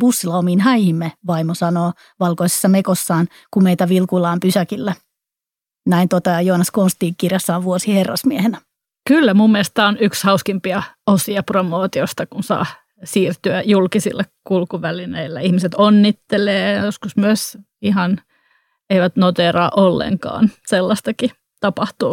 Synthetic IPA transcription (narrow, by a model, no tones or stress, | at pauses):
b̥usːilɑomiːnhæjhimːeʋɑimosɑnoː | ʋɑlkoise̥sːɑmekosːɑːn | kumeit̪æʋilkulɑːmpysækilːæ | næint̪ot̪ɑjohɑnːɑskonst̪iːŋkirjɑsːɑːʋʋuosiherːɑ̰smiehenæ | kylːæmumːiest̪æːonykshɑuskimpiɑosiɑpromoːt̪iost̪ɑkunsɑ̰ː | siːrt̪yæjulkisḭlːɑkkulkuʋælineilːæihmiset̪onːit̪ːeleːjɑjoskusmyøs | iɦɑn | eiʋæt̪not̪eːɾɑːʔolːḛŋkɑ̰ːnselːɑst̪ɑki | t̪ɑpɑht̪uː